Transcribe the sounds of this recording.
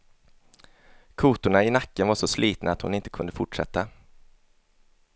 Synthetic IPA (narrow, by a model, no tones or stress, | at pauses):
kʰuːt̪ʊɳaɪnakːənvaʂɔsliːt̪naːt̪hʊ̰nɪnt̪ə̥kʰɵnd̪əfʊʈʂɛ̰t̪ːa